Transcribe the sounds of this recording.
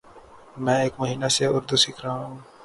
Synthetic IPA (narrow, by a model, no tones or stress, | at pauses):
mɛ̃ːeːkmʊɦiːnaseʊɾd̪usɪkʰɾaɦũː